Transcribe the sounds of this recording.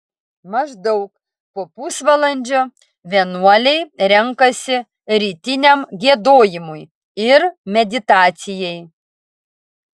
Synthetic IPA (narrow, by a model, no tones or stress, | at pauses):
mɐʒd̪ɔʊk | poɔpusʋɐlˠɐnʲd͡ʒʲoː | ʋʲiɛnuɔlʲɛɪɾʲɛŋkɐsʲɪ | ɾʲiːt̪ʲɪnʲɛmɡʲiɛd̪oːjɪmʊj | ɪɾmʲɛd̪ʲɪt̪ɑːt̪sʲɪjɛj